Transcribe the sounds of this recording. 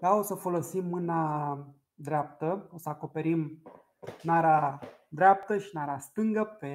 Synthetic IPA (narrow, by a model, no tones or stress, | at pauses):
d̪ao̞səfo̞lo̞simːɨna | d̪ɾeap̚t̪əo̞səako̞pe̞ɾim | naɾa | d̪ɾeap̚t̪əʃinaɾast̪ɨŋɡəpe̞